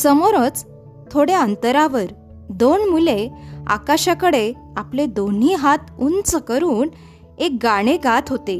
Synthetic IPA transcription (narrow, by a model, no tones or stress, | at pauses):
səmoɾət͡s | t̪ʰːoɽeənt̪əɾaʋəɾ | d̪oɳmulea̰kaɕakəɽe | apled̪on̤iɦat̪unt͡səkəɾuːn | ek̚ɡaɽ̃eɡat̪ʰɦot̪e